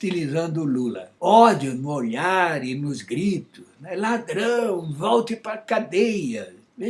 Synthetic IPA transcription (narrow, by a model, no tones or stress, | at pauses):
t̪ilizɐ̃nd̪ʊlulɐ̰ɔd͡ʒʊnʊoʎaɾɪnʊzɡɾit̪ʊznɛlad̪ɾɐ̃w̃vɔwt̪ɪpaɾɐkad̪ejɐ | e